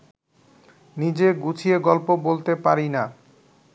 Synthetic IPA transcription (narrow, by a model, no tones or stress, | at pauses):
nid͡ʑeɡut͡ɕʰieɡɔlpobolt̪epaɾina